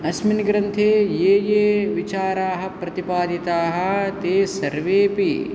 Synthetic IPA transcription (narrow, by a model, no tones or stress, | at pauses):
ɐsminɡɾɐnt̪ʰeːjeːjeːʋit͡ʃaːɾaːɦɐ̆pɾɐt̪ipaːd̪ʱit̪aːɦɐ̆t̪eːsɐɾʋeːpi